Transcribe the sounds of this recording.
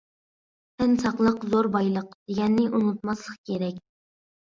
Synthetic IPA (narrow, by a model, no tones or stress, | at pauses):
t̪ʰɪnsɑqlˠəqzoɾbɑjlˠəqd̪̥eɡʲɛnːɪʔunut̪̚mɑslˠəqkʲʰeɾɛkʲ